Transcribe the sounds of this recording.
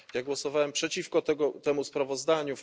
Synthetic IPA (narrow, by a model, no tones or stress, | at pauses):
jaɡwɔsɔvawɛmpʂɛt͡ɕifkɔt̪ɛɡɔt̪ɛmuspɾavɔzd̪aɲu